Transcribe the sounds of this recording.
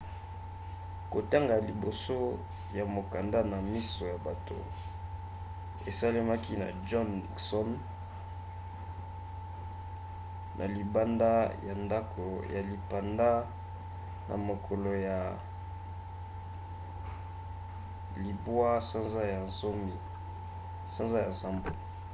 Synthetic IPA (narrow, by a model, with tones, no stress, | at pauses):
ko˨ta˦ŋɡa˨li˨bo˨so˦ | ja˨mo˨ka˨nda˦na˨mi˦so˨ja˨ba˨to̰˨ | e˨sa˦le˦ma˦ki˦na̰˨d͡ʒɔ˦n˨sɔ˦n | nʔa̰˨li˨ba˦nda˦ja˨nda˦kʰo˨ja˨li˨pa˨nda˦ | nʔa̰˨mo˨kʰo˨lo˨ja˨ | li˨bwa˦sa˦nza˦ja˨nzo˦mi˦ | sa˦nza˦ja˨nza˦mbo˨